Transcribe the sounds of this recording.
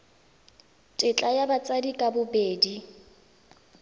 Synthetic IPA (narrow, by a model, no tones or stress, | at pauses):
tʼɪt͡ɬʼajabat͡sʼadikʼabʊbeːdi